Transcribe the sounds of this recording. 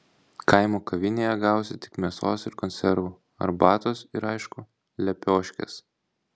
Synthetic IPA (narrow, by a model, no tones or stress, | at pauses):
kɐɪmoːkɐʋʲɪnʲeːjɛɡɑˑʊsʲɪt̪ʲɪ̥kmʲiɛsoːsɪɾkɔnʲsʲɛɾʋʊ | ɐ̰ɾbɑːt̪oːsɪɾɑɪʃkʊ | lʲɛpʲoːʃʲkʲɛ̰s